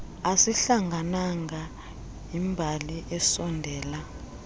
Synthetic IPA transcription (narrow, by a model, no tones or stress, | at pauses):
asiɬaŋɡʱanaŋɡa | imbʱaliʔɛsɔndʱɛːla